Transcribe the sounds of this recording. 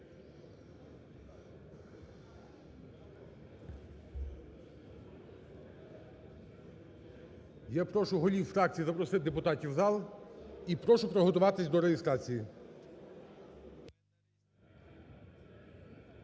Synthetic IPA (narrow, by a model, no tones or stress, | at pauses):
japɾɔʃʊɦɔlʲiwfɾɑk̚t͡sʲijizɐpɾɔsɪt̪d̪e̞pʊt̪ɑtʲiwzɑlˠipɾɔʃʊpɾɔɦɔt̪ʊʋɑt̪ɪsʲd̪ɔɾejest̪ɾɑt͡sʲiji